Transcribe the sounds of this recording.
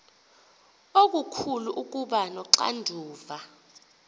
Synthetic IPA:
ok̬ʼukʰuluʔuk̬ʼuɓanɔǁa̰ndʱuːva

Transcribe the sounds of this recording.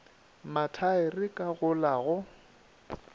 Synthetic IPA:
matʰaɪrɪkʼaɣʊlaɣʊ

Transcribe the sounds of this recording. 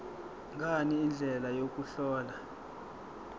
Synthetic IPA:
ŋɡʱaniːnd͡ɮʱɛlajok̬ʼuɬɔːla

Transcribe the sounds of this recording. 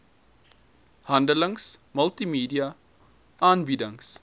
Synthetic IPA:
hãndələ̃ŋsməltimiːdia | ãnbidə̃ŋs

